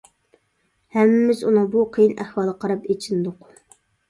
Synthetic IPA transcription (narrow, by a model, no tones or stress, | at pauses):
hɛmːɪmɪzunɨŋbuqʰijinʔæhwɑːlˠəqʰɑɾɑpet͡ʃʰind̪ʊq